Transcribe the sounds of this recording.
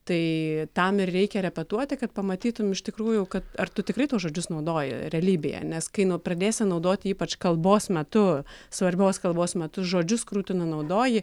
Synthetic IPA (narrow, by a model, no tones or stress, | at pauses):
t̪ɐɪt̪ɐmɪrrʲɛɪkʲɛɾʲɛpʲɛt̪uɔt̪ʲɪkɐt̪pɐmɐt̪ʲiːt̪ʊmʲɪʃʲt̪ʲɪkɾuːjʊkɐt̪ɐrt̪ʊt̪ʲɪkɾɐɪt̪uːsʒoːd͡ʒʲʊsnɐʊd̪oːjɪ̰ɾʲɛlʲiːbʲɪjɛ̰nʲɛskɐɪnʊpɾɐd̪ʲeːsʲɪnɐʊd̪oːt̪ʲɪiːpɐt͡ʃkɐlˠboːsmʲɛt̪ʊsʋɐɾʲbʲoːskɐlˠboːsmʲɛt̪ʊʒoːd͡ʒʲʊskʊɾuːt̪ʲɪnɐnɐʊd̪oːjɪ